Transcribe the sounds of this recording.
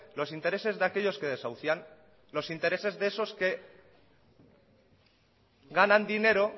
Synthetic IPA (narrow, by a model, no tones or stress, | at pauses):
lo̞sint̪e̞ɾe̞se̞zðake̞ʎo̞ske̞ð̞e̞sawθjan | lo̞sint̪eɾe̞se̞zðeso̞ske̞ | ɣanãnd̪ine̞ɾo̞